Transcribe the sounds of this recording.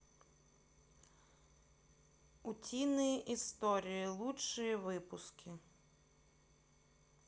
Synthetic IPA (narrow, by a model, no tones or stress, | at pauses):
ʊtʲinɪjiʔist̪ɔɾʲijilˠuʃɨjiʋɪpʊskʲʰɪ